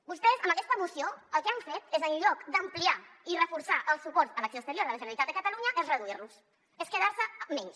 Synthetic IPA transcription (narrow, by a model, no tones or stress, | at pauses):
bust̪ɛzəməkɛst̪əmusioəlˠkeaɱfet̪ezəlʎɔkd̪əmpliairəfuɾsaʔəlˠsupɔɾzələksoəkst̪əɾjoɾðələʒənəlit̪at̪əkət̪əluɲəʔezrəðuiɾlus | eskəðaɾsəmɛɲs